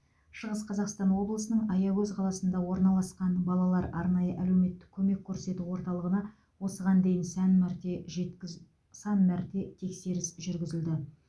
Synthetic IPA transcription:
ʃəʁəsqʰɑzɑqst̪ɑnwo̞blˠəsənəɴɑjɑwɵzqʰɑlˠɑsənd̪ɑwo̞ɾnɑlˠɑsqɑnbɑlˠɑlˠɑɾʔɑɾnɑjəʔælewme̞t̪ːɪ̥kʲʰɵme̞kʲʰːɵɾse̞t̪uwo̞ɾt̪ɑlˠəʁənɑ | wo̞səʁɑnd̪e̞jɪnsænmɾt̪eʒe | sɑnmæɾt̪e̞t̪ʰe̞kse̞ɾɪsʒʏɾɡʲɪzɪld̪ɪ

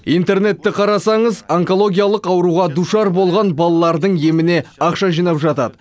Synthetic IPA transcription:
ijnt̪e̞ɾne̞t̪ːɪqʰɑɾɑsɑɴəzeŋko̞lˠo̞ɡʲijalˠəqɑwəɾuʁɑd̪uʃɑɾbo̞lˠʁɑnbɑlˠɑlˠɑɾd̪əɴje̞mɪne̞ɑqʃɑʒijnɑpʒɑt̪ɑd̪ə

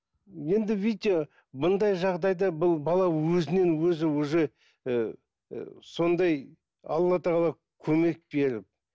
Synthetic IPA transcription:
je̞nd̪ɪvit̪ʲe | bʊnd̪ɑjʒɑʁd̪ɑjd̪ɑbʊlˠbɑlˠɑwɵzɪne̞nwɵzɪwɵze̞ | so̞nd̪ɑj | ɑ̰lˠːɑt̪ʰɑʁɑlˠɑ | kʲʰɵme̞k̚be̞ɾɪp̚

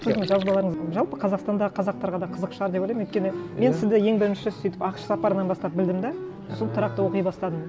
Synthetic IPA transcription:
sɪzd̪ɪŋʒɑzbɑlˠɑɾəɴəzʒɑlˠpəqʰɑzɑqst̪ɑnd̪ɑʁəqʰɑzɑq̚t̪ɑɾʁɑd̪ɑqʰəzəqʃɑɾd̪epojlɑjmwø̥t̪kʲeɪme̞nsɪzd̪ɪje̞ŋbɪɾɪnʃɪɪsʏjt̪ɪ̥pɑqʃsɑpɑɾənɑnbɑst̪ɑp̚bɪld̪ɪmd̪ɑ | solˠt̪ʰəɾɑq̚t̪əwo̞qijbɑst̪ɑd̪əm

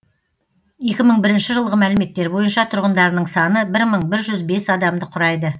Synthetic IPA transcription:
je̞kʲɪməɴbɪɾɪnʃɪʒəlˠʁəmælɪme̞t̪ːe̞ɾbo̞jənʃɑt̪ʰʊɾʁənd̪ɑɾənəɴsɑnəbɪɾməɴbɪɾʒʏzbe̞sɑd̪ɑmd̪əqʰʊɾɑjd̪ə

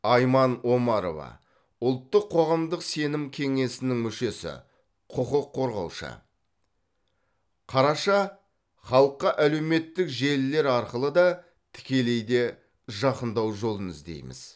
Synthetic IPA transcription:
ɑjmɑno̞mɑɾo̞̰vɑ̰ | ʊlˠt̪ːəqʰːo̞ʁɑmd̪əqse̞nɪmkʲʰe̞ŋe̞sɪnɪŋmʏʃe̞sɪ̰ | qʰʊqəqʰːo̞ɾʁɑ̰wʃə̰ | qʰɑɾɑʃɑ | χɑlˠəqːɑʔæle̞wme̞t̪ːɪkʒe̞lːe̞ɾɑɾqəlˠəd̪ɑ | t̪ʰɪ̥kʲe̞le̞jd̪e̞ | ʒɑqənd̪ɑwʒo̞lˠənɪzd̪e̞̰jmɪ̰z̥

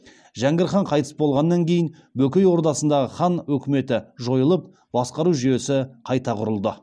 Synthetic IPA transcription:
ʒæŋɡʲɪɾχɑɴqʰɑjt̪ə̥sbolˠʁɑnːɑŋkʲʰe̞jɪn | bɵkʲejwo̞ɾd̪ɑsənd̪ɑʁəχɑnwɵkʲɪme̞t̪ɪʒo̞jəlˠəp̚ | b̥ɑsqɑɾuʒʏje̞sɪqʰɑjt̪ɑqʰʊɾəlˠd̪ə

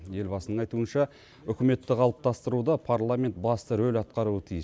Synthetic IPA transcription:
je̞lbɑsənəɴɑjt̪uənʃɑ | ʏkʲɪme̞t̪ːɪqʰɑlˠəp̚t̪ɑst̪əɾud̪ɑpʰaɾlˠamʲe̞nt̪̚bɑst̪əɾɵlɑt̪̚qɑɾuət̪ʰijəs

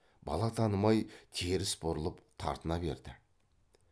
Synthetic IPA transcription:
bɑ̰lˠɑt̪ʰɑnəmɑjt̪ʰeɾɪsbʊɾəlˠəpt̪ʰɑ̰ɾt̪ʰənɑbe̞̰ɾd̪ɪ

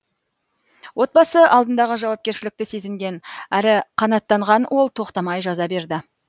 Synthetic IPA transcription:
wo̞t̪̚bɑsəʔɑlˠd̪ənd̪ɑʁəʒɑwɑp̚kʲe̞ɾʃɪlɪk̚t̪ɪse̞zɪŋɡʲe̞næɾɪqʰɑnɑt̪ːɑɴʁɑnwʔo̞lˠt̪ʰo̞qt̪ɑmɑjʒɑzɑbe̞ɾd̪ɪ

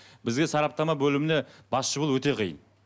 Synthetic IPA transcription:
bɪzɡʲe̞sɑɾɑp̚t̪ɑmɑbɵlɪmɪne̞bɑsʃəbəlˠwɵt̪e̞qʰijə̰n

